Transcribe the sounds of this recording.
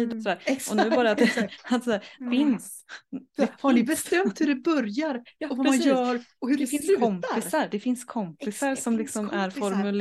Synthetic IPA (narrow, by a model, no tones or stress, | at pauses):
iːd̪ɔsɔd̪æːɾʔɔnʉbɑːɾat̪at̪sæːɾfɪns | hanɪbɛst̪ɛmt̪hʉɾɛbœɾjaɾɔvaɾɛmanjœːɾɔhʉdɛfɪnskʰɔmpɪsaɾd̪ɛfɪnskʰɔmpɪsaɾsɔmlɪksɔmʔæɾfɔɾmʉl